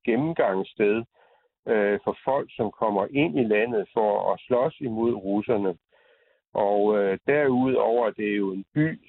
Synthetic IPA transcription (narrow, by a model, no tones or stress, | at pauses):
ɡ̥emm̩ɡ̥ɑ̈ŋ̰əsd̥eð̞ˠ | øfɒ̽fɒ̽l̰ɡ̥sɒ̽mkʰɒ̽m̰ɐʔe̝n̰ilæn̰ð̩ˠfɒɒslɒ̽simo̝ð̰ˠʁusɐnə | ʔɒʊød̥æɐ̰uð̰ˠɒʊ̰ɐd̥e̝æɐjo̝e̝nb̥y̰ː